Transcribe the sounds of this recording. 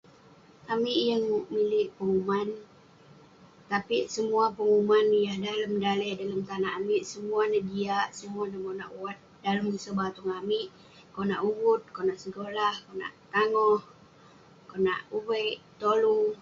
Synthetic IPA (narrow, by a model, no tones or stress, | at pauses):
amiʔjəŋmiliʔpəŋuman | t̪apiʔsəmuapəŋumanjahdaləmdalɛhdaləmt̪anaʔːmiʔsəmuanaʔd͡ʒiaʔsəmuanamonaʔuwat̪̚daləməsəbat̪uŋamiʔ | konaʔuwʊt̪̚konaʔsəɡolahkona̰ʔt̪aŋɔh | kona̰ʔubəʔt̪olu